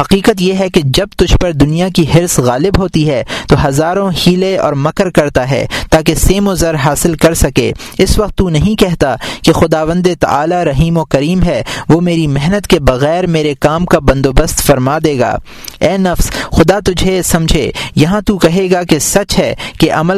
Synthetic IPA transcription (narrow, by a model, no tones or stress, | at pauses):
hɐqiːqət̪̬jeɦɛked͡ʒɐb̚t̪ʊd͡ʒʱpɐɾd̪ʊnijakiɦɪɾsɣaːlɪbɦoːt̪iɦɛt̪oːɦɐzaːɾõhiːleɔ̰ːɾmɐkəɾkɐɾt̪aɦɛ̰ːt̪aːk̬eseːmozɐɾɦaːsɪlkɐɾsɐkḛː | ɪsʋɐq̚t̪ːunɐɦĩkɛɦt̪akexʊd̪aːʋə̃nd̪et̪ɐ̰ʔa̰ːlaɾɐɦiːmokɐɾiːmɦɛʋoːmeːɾimɪɦnət̪kebɐɣɛːɾmeːɾekaːmkabɐ̃nd̪oːbəst̪fɐɾmaːd̪eːɡa̰ː | ɛːnɐfsxʊd̪at̪ʊd͡ʒʱesɐ̃md͡ʒʱḛːjɐɦãt̪ukɐɦeːɡakesɐt͡ʃɦɛkeʔɐməl